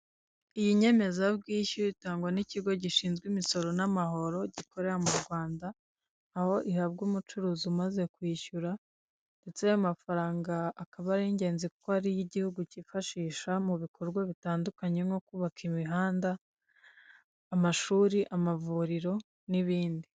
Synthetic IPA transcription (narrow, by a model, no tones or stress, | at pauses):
ijiɲe̞me̞zabɡiːçuitaːŋɡwaniciɡo̞ɟiʃiːnzɡwimiso̞ɾo̞namaho̞ɾo̞ɟikʰo̞ɾe̞ɾamuɾɡwaːndaː | ho̞ʔihaβɡuːmut͡ʃuɾuːzumaze̞kwiːçuɾa | nde̞t͡seajamafaɾaːŋɡaːkaβaɾiɲɟe̞ːnzikukohaɾijiɟihuɡucifaʃiːʃamuβikʰo̞ɾɡwaβitaːndukaɲe̞ŋo̞kuβakʰimiɦaːnda | maʃuːɾiʔamavuɾiɾo̞ | niβiːndi